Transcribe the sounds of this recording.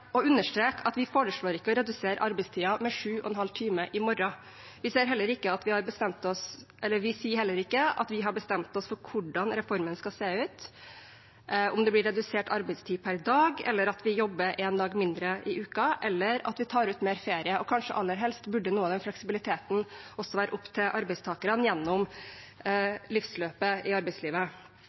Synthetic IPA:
ɔʉnːəʂʈ̪ɾeːkʰɑt̪ʋɪfoːɾəʂɭoːɾɪkːəɔɾɛd̪ʉseːɾʔɑɾbəɪst̪ʰiːɑmɛʂʉːʔɔ̰ɛnɦɑlt̪ʰiːməʔɪmɔɾɑ | ʋɪseːɾɦɛlːəɾɪkːəɑt̪ʋɪhɑɾbəst̪ɛmt̪ɔsʔɛlːəʋɪsiːəɾhɛlːəɾɪkːəɑ̰t̪ʋɪɦɑɾbəst̪ɛmt̪ɔsfɔɾkʰʊɖɑnɾɛfɔɾmənskɑlseːʉːt̪ | ʔɔmd̪ɛblɪɾɛd̪ʉseːʈɑɾbæɪst̪ʰiːpʰæɾd̪ɑːɡɛ̰lːəɾɑt̪ʋɪjɔbːəɾʔɛnd̪ɑːɡmɪnd̪ɾəʔɪʔʉːkɑʔɛlːəɾɑ̰t̪ʋɪt̪ʰɑːɾʉːt̪meːɾfeːɾɪəʔɔkʰɑnʂə̰ʔɑlːəɾɦɛlst̪bʉɖːənuːɑd̪ɛnflɛksɪbɪlɪt̪ʰeːt̪n̩ʔɔsɔʋæːɾə̰ʔʊpt̪ʰɪlʔɑɾbæɪst̪ʰɑːkəɾənjɛnːɔm | lɪfsløːpəɪɑɾbæɪsliːʋə

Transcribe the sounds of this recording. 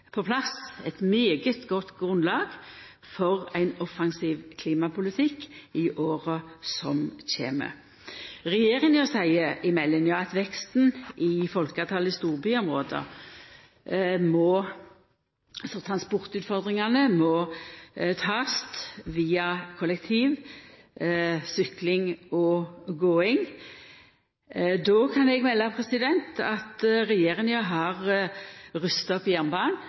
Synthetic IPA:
pʰɔpʰlɑsɛt̪myːɡəst̪ɡɔt̪ːɡʁʉnlɑːɡ | fɔʁæɪnɔfɑŋsiːʋkʰliːmɑpʰʊlɪt̪ʰɪkːɪʔoːʁəsɔmɕḛːmə̰ | ʁɛjeːʁɪŋɔsæɪəʔɪmɛlːənjɑːɑt̪ʋɛkst̪n̩ɪfɔlkɑt̪ʰɑːləst̪uːʁbyːɔmʁoːd̪ə̰ | mɔ | ɑlsɔt̪ʰʁɑnspʊʁt̪ʉːt̪fɔʁd̪ʁɪŋɑnəmɔ | t̪ʰɑːst̪ʋiːɑkʰɔlɛkt̪ʰiːʋ | sʏklɪŋɔɡoːɪŋ | d̪ɔːkʰɑnɛɡmɛlːɑpʰʁɛsɪd̪ɛnt̪ɑt̪ɾɛjeːʁɪŋjɑɦɑʁ | ʁʉst̪ɑɔpːjæʁnbɑːn

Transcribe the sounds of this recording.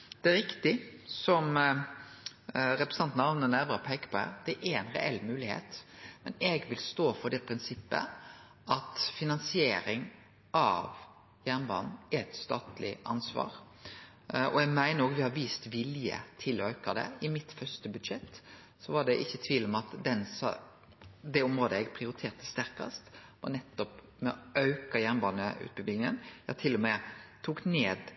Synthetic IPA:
d̪̥ɛɾɪkt̪ɪsɔm | ɾɛpɾəsɑnt̪nɑmnənæɾʋəɾəpʰeːkə̥pɔhæ̰ːɾd̪̥ɛʔɛɾɛɪnɾɛ̰ʔɛlːmʉːlɪhḛːt̪mɛnɛɡʋɪlst̪oːfɔd̪ɛpʰɾɪnsɪpːə̰ | ʔɑt̪fɪnɑnsɪeːɾɪŋ | ʔɑ̰ʋ | jæːnʋɑ̰nɛt̪st̪ɑ̰ːt̪lɪ̰ʔɑ̰nsʋɑ̰ːɾ | ɔɛɡmæɪnəɾoːɡʋɪhɑɾʋiːst̪ʋɪljə̰t̪ʰɪlɔœʉkəd̪ɛ̰ɪmɪt̪fœst̪əbʉd̪ʂɛt̪ː | sɔʋɑɖɛʔɪçːət̪ʰʋiːlmɑt̪d̪ɛnsɑ | d̪ɛɔmɾoːd̪əɛɡpʰɾɪʊɾɪt̪ʰeːɾt̪ə̥st̪æɾkɑ̰st̪ɔ̰nɛt̪ːɔp | mɛɔ̰œʉkɑjæʁnbɑːnəʔʉ̰ːt̪̚bəbɪɪŋənjɑt̪ʰɪlːɔmɛt̪ʰuːkneːd̪

